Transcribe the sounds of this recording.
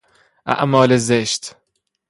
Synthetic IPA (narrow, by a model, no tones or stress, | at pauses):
ʔæ̰ʔmɒːlezeʃt̪